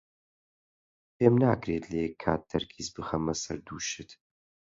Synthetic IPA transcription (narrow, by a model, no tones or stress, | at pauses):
pʰeːmnaːkɾeːt̪leɛkʰːa̰ːt̪̚d̪ɐɾkʰizbɨxɐmɐsɐɾd̪uːʃɨt̪